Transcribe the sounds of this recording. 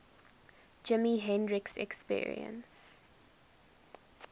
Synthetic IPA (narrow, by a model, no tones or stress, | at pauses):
d͡ʒɪmiɦɛ̃ndɹɪksɛ̰kspḭːɹḭə̰̃ns